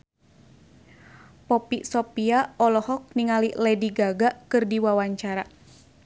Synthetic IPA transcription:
pɔpiʔsɔpiaɔlɔhɔk̚niŋaliʔlɛdiɡaɡaʔkɨrdiwawaɲt͡ʃaɾa

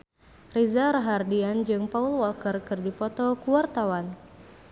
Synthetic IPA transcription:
rizaɾəɦardiand͡ʒɨŋpaulwɔlkərkɨrdipɔt̪ɔkuwart̪awan

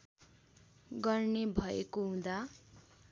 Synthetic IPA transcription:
ɡʌrnebʱʌḛkoɦũd̪a

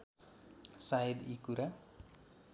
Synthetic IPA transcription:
sajdikuɾa

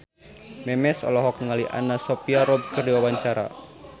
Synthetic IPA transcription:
mɛmɛsɔ̰lɔɦɔkŋaliʔa̰nasɔpiaɾɔb̚kərdiwawaɲt͡ʃaɾa̰

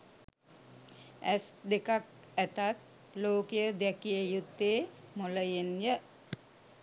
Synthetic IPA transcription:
æ̰sd̪ekak̚ | æt̪at̪̚ | loːkejəd̪ækijəjut̪ːeːmoləjenjə

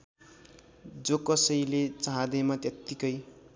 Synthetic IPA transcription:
d͡zokʌsʌjlet͡saɦãd̪ʌjmat̪jʌt̪ːikʌj

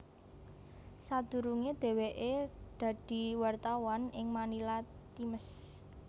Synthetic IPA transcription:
sad̪̥ṳɾuŋed̪̥e̤weʔed̪̥ä̤d̪̥i̤wart̪awanɪŋmanilat̪iməs

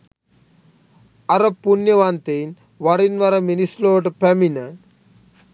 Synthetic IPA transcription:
ɐɾɐpːunjɐʋaːnt̪en | ʋɐɾinʋɐɾɐminisloːʈpɐminɐ

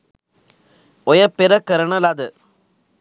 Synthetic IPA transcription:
ɔjɐpːɛɾɐkːɐɾɐɳɐlaːd̪ɯ

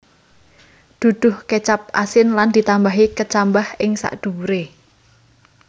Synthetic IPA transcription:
d̪̥ṳd̪̥ʊ̤hket͡ʃap̚ʔa̰sɪnland̪̥it̪ambaɦikət͡ʃambahʔɪŋsa̰ʔd̪̥uwuɾe

